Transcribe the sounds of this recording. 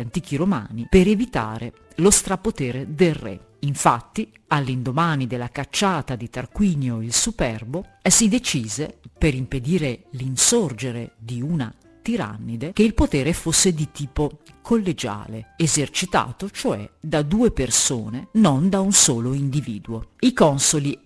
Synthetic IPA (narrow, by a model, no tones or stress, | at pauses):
ant̪iːk̟iɾoma̰ːnipeɾevit̪a̰ːɾe | lost̪ɾapot̪eːɾed̪elrḛ | iɱfat̪ːi | alːind̪omaːnid̪elːakat͡ʃːaːt̪ad̪it̪arkwiːɲjoilsupɛrbosid̪et͡ʃiːzepeɾimped̪iːɾelinsord͡ʒeɾed̪iuna̰ | t̪iɾa̰nːid̪ek̟eilpot̪eːɾefosːed̪it̪iːpokʰolːed͡ʒa̰ːleezert͡ʃit̪a̰ːt̪ot͡ʃoɛ̰d̪ad̪uːepersoːnenond̪aunsoːloind̪ivḭːd̪uoikɔnsoli